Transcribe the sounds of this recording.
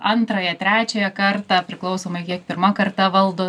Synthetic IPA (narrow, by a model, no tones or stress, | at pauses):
ɐnt̪ɾɐjɛt̪ʲɾʲæːt͡ʃʲɛjɛkɐrt̪ɑːpʲɾʲɪklˠɐʊsoːmɐɪkʲiɛkpʲɪrmɐkɐrt̪ɐʋɐlˠd̪oː